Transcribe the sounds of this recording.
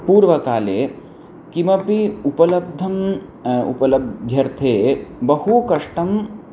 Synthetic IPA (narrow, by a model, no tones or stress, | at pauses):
puːɾʋɐkaːleː | kimɐpiupɐlɐb̚d̪ʱɐm | ṵpɐlɐb̪̚d͡ʒʱjɐɾt̪ʰeːbɐhukɐʂʈɐm